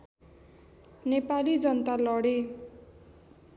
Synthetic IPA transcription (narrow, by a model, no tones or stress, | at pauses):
nepalid͡zʌnʌt̪alʌɽe